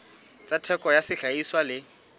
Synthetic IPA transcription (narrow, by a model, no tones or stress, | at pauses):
t͡satʰɛkʼɔjasɪɬaiswalɪ